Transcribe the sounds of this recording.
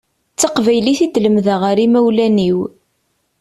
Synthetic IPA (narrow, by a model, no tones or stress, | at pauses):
t͡sːɑqvæjliθid̪ləmðəʁəɾimæwlæniw